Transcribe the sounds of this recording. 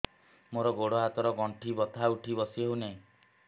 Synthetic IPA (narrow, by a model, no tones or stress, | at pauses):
moɾɔɡoɽɔɦat̪ɔɾɔɡɔɳʈʰibɔt̪ʰauʈʰibɔsiɦewnẽ